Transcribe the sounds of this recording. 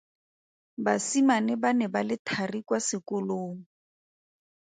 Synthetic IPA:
basimanɪbanɛbalɪtʰarikwasɪkʊloːŋ̩

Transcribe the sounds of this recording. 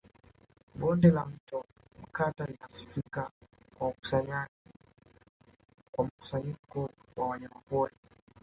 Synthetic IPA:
ɓɔndɛlam̩tɔ | m̩katalinasifika | kwaaku̥saɲaʄi | kwam̩ku̥saɲikɔwʔawaɲamapɔli

